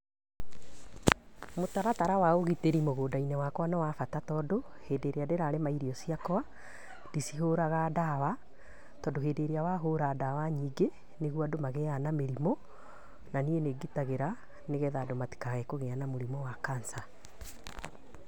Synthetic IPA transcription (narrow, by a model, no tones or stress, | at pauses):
motaɾataɾawaoɣiteɾimoɣoːdainɛwakwanawafatatɔːdoheːdeɾeadeɾaɾemaiɾiɔsiakɔa | disiɦoɾaɣadawa | tɔːdoɦeːdeɾeawaɦoɾadawaɲiːɡe | neɣwadomaɣɛanameɾimɔ | nanieneɡitaɣeɾa | neɣɛðadomati̥kaɣɛkoɣɛanamoɾimɔwakansa